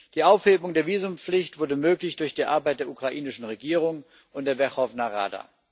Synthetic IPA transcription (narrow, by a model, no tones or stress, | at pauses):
d̥iːʔaʊfheːbʊŋdeːɐviːzʊmp͡flɪçtv̥ʊɐdəmøːklɪçd̥ʊɐçd̥iːʔaɐbaɪt̚d̥eːɐukʁ̥aʔiːnɪʃn̩ʁeɡiːʁ̞ʊŋ | ʔʊntd̥eːɐvɛχɔvnaʁa̰ːda̰ː